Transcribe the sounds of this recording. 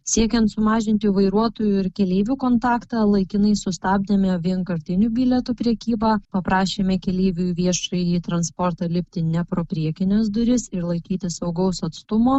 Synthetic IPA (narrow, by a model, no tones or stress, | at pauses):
sʲiɛkʲɛnt̪sʊmɑːʒʲɪnʲt̪ʲɪːʋɐɪɾuɔt̪oːjuɪɾkʲɛlʲeːʋʲuːkoːnt̪ɑːkt̪ɑlˠɐɪkʲɪnɐɪsʊst̪ɑːbʲd̪ʲɐmʲɛʋʲiɛnkɐɾʲt̪ʲɪnʲuːbʲɪlʲɛt̪uːpʲɾʲɛkʲiːbɑːpɐpɾɑːʃʲeːmʲɛkʲɛlʲeːʋʲuʋʲiɛʃɐɪiːt̪ɾɐnspoɾt̪ɑːlʲɪpʲt̪ʲɪnʲɛpɾoːpʲɾʲiɛkʲɪnʲɛːsd̪ʊɾʲɪsɪɾlˠɐɪkʲiːt̪ʲɪssɐʊɡɐʊsɐt̪st̪ʊmoː